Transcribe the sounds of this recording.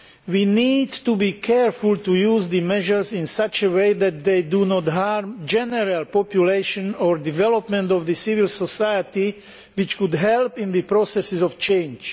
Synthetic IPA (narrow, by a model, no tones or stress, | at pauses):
wiːniːdt̪ubiːkʰɛɹfult̪ujuːzd̪imɛʒəɹzĩnsat͡ʃəweɪðɛt̪̚d̪eɪdunɔt̪ɦaɾmd͡ʒɛnɛɾalpɔpjuleɪʃɔ̃nɔːɹdivɛlɔpmɛ̃nt̪ɔvd̪isivɪlsɔsajət̪i | ʋɪt͡ʃkud̪ɦɛlpĩnd̪ipɾosɛsɪzɔft͡ʃẽɪ̃nd͡ʒ